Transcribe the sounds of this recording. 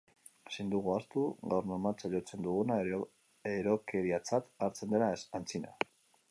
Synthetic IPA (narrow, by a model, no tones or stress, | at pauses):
sind̪uɣuast̪uɣawrnomat͡saʎo̞t͡se̞nd̪uɣuna | eɾo̞ke̞ɾiat͡sat̪aɾt͡se̞nd̪eɾasant͡sina̰